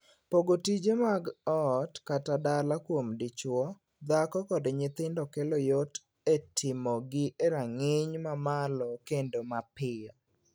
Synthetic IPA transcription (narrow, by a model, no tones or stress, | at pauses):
poɡotid͡ʒemaɡɔtkatadalakwomdɪt͡ʃwɔ | d̪akɔkɔdɲɪt̪ɪndɔkelojot | etʰɪmɔɡɪʔeɾaŋɪɲmamalɔkendomapɪjɔ